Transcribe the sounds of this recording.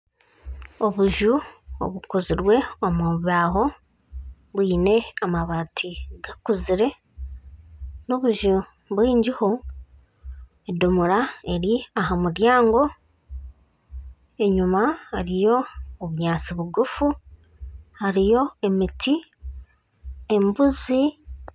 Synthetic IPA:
o̞βuʒuo̰βukoziɾwe̞omuβaːɦo̞ | βwiːne̞amaβatʰiɡakuziɾe̞ | noβuʒu | βwiːɲɟiho̞ | edomuɾae̞ɾiaɦamuɾjaːŋɡo̞ | e̞ɲumahaɾijo̞ːβuɲaːt͡siβuɡufu | haɾijo̞e̞mitʰi | e̞mbuzi

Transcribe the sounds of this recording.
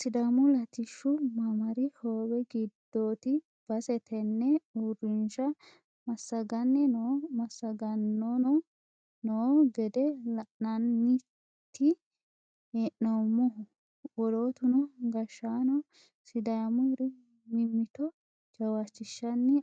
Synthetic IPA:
sɪd̪ɐmʊlɐt̪ɪʃːʊmɐmɐɾɪhoːwɛɡɪd̪̥ːoːt̪ɪ | b̥ɐsɛt̪ʰɛnːɛuɾɪnʃɐ | mɐsːɐɡɐnːɛnomɐsːɐɡɐnːɔnɔ | noːɡɛd̪ɛlɐʔnɐnːɪ | t̪ːɪ | eʔnomːɔɦʊ | wɔlo̞ːt̪ʊnɔɡɐʃːaːnɔ | sɪd̪ɐmʊɾɛ | mɪmːɪt̪ɔ | d͡ʒɐwat͡ʃːɪʃːɐnːɛ

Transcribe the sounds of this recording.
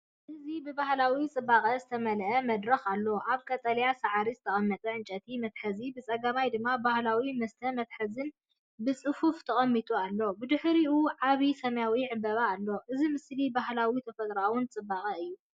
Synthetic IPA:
ʔɨzibɨbahlawit͡sʼɨbːakʼɐzɨt̪ʰɐmɐlʔɐmɐd̪ɾɐxalːoʔaβkʰɐt̪ʼɐljasaʕaɾizɨt̪ʰɐχʼɐmːɐt̪ʼɐʕɨnt͡ʃʼɐt̪ʰimɐt̪ħɐzibɨt͡sʼɐɡɐmajd̪ɨmːabahlawimɐst̪ʰɐmɐt̪ħɐzɨn | bɨt͡sʼɨfuft̪ʰɐχʼɐmːit̪ʼualːo̞bɨd̪ɨħɾiʔuʕaβisɐmjawiʕɨbɐβaːlːoʔɨzimɨslibahlawit̪ʰɐfɐt̪ʼɾawʊnt͡sʼɨbːaχʼɐɨjːu

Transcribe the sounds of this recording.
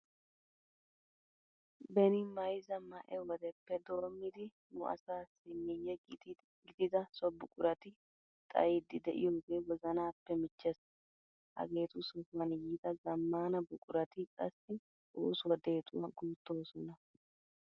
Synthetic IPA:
bɛnɪmɐjzɐmɐʔɛwɔd̪ɛpːɛd̪o̞ːmːɪd̪ɪ | nʊʔɐ̰saːsɪmːɪjːɛ | ɡɪd̪ɪd̪ɐsɔbʊkʼʊɾɐt̪ɪ | t̪ʼɐ̰jɪd̪ɪd̪ɛʔɪ̰jo̞ːɡe̞ːwɔzɐnaːpːɛmɪt͡ʃːɛs | hɐ̰ɡe̞ːt̪ʊsɔfɐnjiːt̪ɐzɐmːaːnɐbʊkʼʊɾɐt̪ɪkʼɐ̰sːɪ | uːsʊwɐd̪e̞ːt̪ʼʊwɐɡuːt̪ːo̞ːsɔnɐ

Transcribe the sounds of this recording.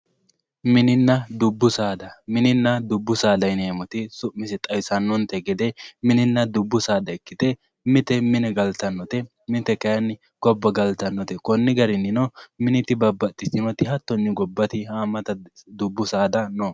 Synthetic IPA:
mɪnɪnːɐd̪ʊbːʊsaːd̪ɐmɪnɪnːɐd̪ʊbːʊsaːd̪ɐjneːmɔt̪ɪsʊʔmɪsɛt̪ʼɐjsɐnːɔnt̪ɛɡɛd̪ɛmɪnɪnːɐd̪ʊbːʊsaːd̪ɐɛkːɪt̪ɛ | mɪt̪ɛmɪnɛɡɐlt̪ɐnːɔt̪ɛ | mɪt̪ɛkɐjɐn | ɡ̥ɔbːɐɡɐlt̪ɐnːɔt̪ɛkɔnːɪɡɐɾɪnːɪnɔmɪnɪt̪ɪbɐbːɐt̪ʼːɪsɪnɔt̪ɪhɐt̪ːɔnːɪɡɔbːɐt̪ɪhaːmɐt̪ɐd̪ʊbːʊsaːd̪ɐno

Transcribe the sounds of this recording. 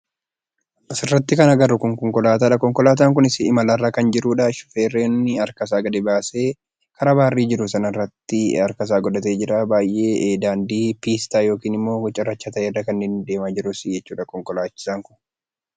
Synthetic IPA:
ʔɪsɪrːɐt̪ːɪkɐnɐɡɐrːʊkɔŋkɔŋkɔlaːt̪aːᶑɐkɔŋkɔlaːt̪̬aːŋkʊnɪsɪɪmɐlɐrːaːkɐnd͡ʒɪɾuːᶑɐʃʊ̥feːrːeːnːɪɐɾkɐs̬aːɡɐd̪ɛbaːse̞ː | kʰɐɾɐbaːrːiːd͡ʒɪɾʊsɐnɐrːɐt̪ːɪɐɾkɐs̬aːɡɔd̪ɐt̪e̞ːd͡ʒɪɾaːbaːjʔe̞ːʔeːd̪aːnd̪iːpiːst̪aːjoːkiːnɪmːo̞ːɡɔt͡ʃʼːɐrːɐt͡ʃːat̪ɐʔeːrːɐkɐnːɪnd̪e̞ːmaːd͡ʒɪɾʊsɪd͡ʒɛt͡ʃːuːᶑɐkɔŋkɔlaːt͡ʃːɪ̥saːŋkʊn

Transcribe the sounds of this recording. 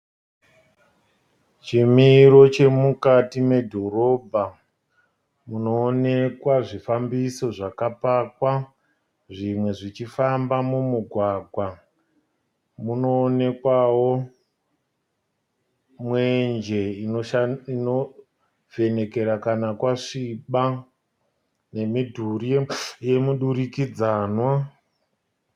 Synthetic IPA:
t͡ʃimiɾo̞t͡ʃe̞mukatime̞dʱo̞ɾo̞bʱa | muno̞ːnekwaʐifambiso̞ʐakapakwa | ʐimwe̞ʐit͡ʃifambamumuɡʱwaɡʱwa | muno̞ːne̞kwawo̞ | mwend͡ʒe̞inoino | ve̞ne̞ke̞ɾakanakwaʂiɓa | ne̞midʱurieje̞muɗuɾikid͡zaːnwa

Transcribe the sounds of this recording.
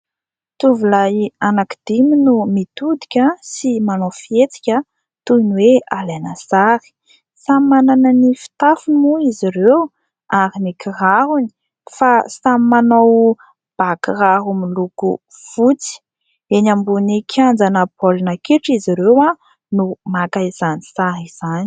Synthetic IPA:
t̪uvulajanakid̪̥iminumit̪ud̪i̥kʲasimanofiet͡si̥kʲə | t̪unwealanasaɾi̥ | sammananənifi̥t̪afunmuiziɾew | aɾinikʰiraɦuni̥ | fasammanow | b̥akiraɦumilukṵ | v̥ut͡si̥ | enambunikʰiand͡zanəbolinakiʈ͡ʂiziɾewa | numakaiz̥anisaɾiz̥ani̥

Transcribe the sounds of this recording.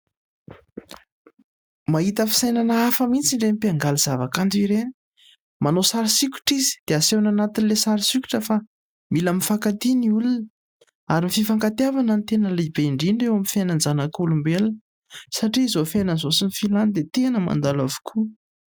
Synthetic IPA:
maɦit̪əfi̥sajnanəafəmint͡siɳɖ͡ʐemipiaŋɡaliz̥avakand͡z̪iɾeni̥ | manosaɾisiku̥ʈ͡ʂizi̥d̪̥easewnanat̪inlesaɾisiku̥ʈ͡ʂəfa | milamifakat̪iniulunə | aɾimififaŋkat̪iavanənt̪enəlebeiɳɖ͡ʐinɳɖ͡ʐewamifjanand͡zanakulumbeln | saʈ͡ʂiːzofenənzosinifiland̪et̪enəma̰nd̪alavu̥kʰu

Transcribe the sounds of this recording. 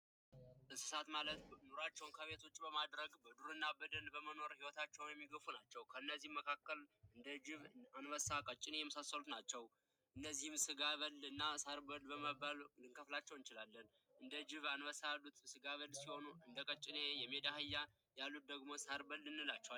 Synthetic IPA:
ʔɨsɨ̥sat̪malət̪noɾat͡ʃːɛwnkʰəβe̞t̪ʰo̞t͡ʃʼːbəmad̪ɾəɡbəd̪uɾɨnːabəd̪əlbəməno̞ɾhiwɔt̪ʰat͡ʃːɛwnjɛmːiɡəfunat͡ʃːɛwkʰəɨnːəzːihməkʰakːəlɨnd̪əd͡ʒɪβanwəsakʼət͡ʃʼːɪnejɛməsasːəlut̪nat͡ʃːɛw | ʔɨnːəzːihɨmsɨɡaβəlɨnːasaɾbəlbəməballɨŋkʰəflat͡ʃːɛwɨnt͡ʃɪlalːən | ʔɨnd̪əd͡ʒɪβanwəsalːut̪sɨɡaβəlsiho̞nuɨnd̪əkʼət͡ʃʼːɪnejɛmed̪ahɨjːa | jalːut̪̚d̪əɡmo̞saɾbəlːɨnːɨlat͡ʃːɛwa

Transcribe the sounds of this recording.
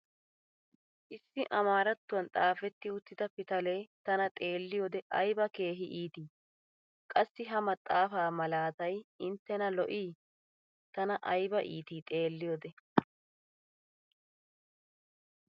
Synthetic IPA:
ʔɪsːɪʔɐmaːɾɐt̪ːʊwɐnt̪ʼaːfɛt̪ːɪʊt̪ːɪd̪ɐpɪt̪ɐlejt̪ɐnɐt̪ʼe̞ːlːɪjoːd̪ɛʔɐjbɐke̞ːɦɪʔiːt̪iː | kʼɐsːɪɦɐmɐt̪ʼːaːfaːmɐlaːt̪ɐjɪnt̪ːɛnɐlɔʔiː | t̪ɐnɐʔɐjbɐʔḭːt̪iːt̪ʼe̞ːlːɪjoːd̪ɛ

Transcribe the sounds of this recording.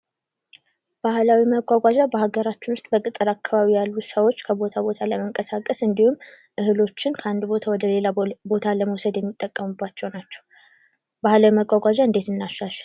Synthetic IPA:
b̥ahlawiməɡʷaɡʷad͡ʒabəhaɡəɾat͡ʃːɪnwʊst̪ʼbəkʼɨt̪ʼːɨɾakːaβaβijalːusəwo̞t͡ʃːkʰəbo̞t̪ʰabo̞t̪ʰaləməŋkʼəsakʼəsɨnd̪ihum | ʔɨhɨlo̞t͡ʃːɪnkʰəand̪ubo̞t̪ʰawɔd̪əle̞labo̞t̪ʰaləməwsəd̪jɛmːit̪ʼːəkʼːəmubːat͡ʃːɛwnat͡ʃːɛw | bahlawiməɡʷaɡʷad͡ʒaɨnd̪e̞t̪ɨnːaʃːaʃɛl

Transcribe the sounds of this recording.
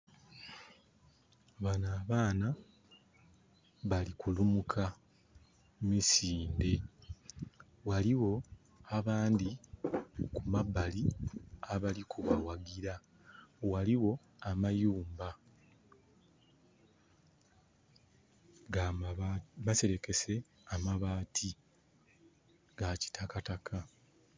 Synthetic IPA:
βanaːβaːna | βalikulumukʰa | mumisiːnde̞ | waliwo̞ | aβaːndi | kumabaliaβalikʰuβawaɡiɾa | waliwo̞ | amajuːmba | ɡa | mase̞ɾe̞ke̞se̞ | amaβaːtʰi | ɡaci̥tʰakatakʰa

